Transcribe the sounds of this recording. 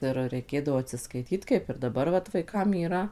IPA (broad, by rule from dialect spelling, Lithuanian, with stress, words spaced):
ˈɪr rʲɛɪˈkʲeːdɐʋoː ɐtʲsʲɪskɐɪˈtʲiːt kɐɪp ɪr dɐˈbɐr ʋɐt ʋɐɪˈkɐm iːˈrɐ